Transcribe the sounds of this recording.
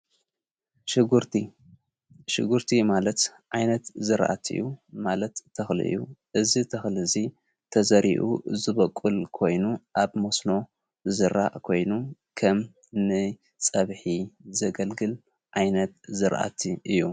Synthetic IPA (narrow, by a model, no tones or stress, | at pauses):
ɡɾi | ʃɨɡuɾt̪ʰimalɐt̪ʕajnɐt̪zɨɾʔa̰t̪ʰɨ̰jːumalɐt̪ʰːɐxlḭʔɨ̰jːuʔɨzit̪ʰɐxlɨzi | t̪ʰɐzɐɾḭʔṵzɨβɐkʼulkʰo̞jnuʔaβmosno̞ | zɨɾa̰ʔkʰo̞jnukʰɐm | nɨ | t͡sʼɐβħizɐɡɐlɡɨl | ʕajnɐt̪zɨɾʔa̰t̪ʰiʔɨjːu